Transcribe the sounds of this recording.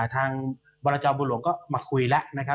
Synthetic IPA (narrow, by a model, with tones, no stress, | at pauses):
t̪ʰaː˧ŋ | bɔː˧laː˧t͡ɕɔː˧nbuː˧lu˩əŋkɔː˥˩maː˧kʰu˧jla˦˥ʔna˦˥kʰa˦˥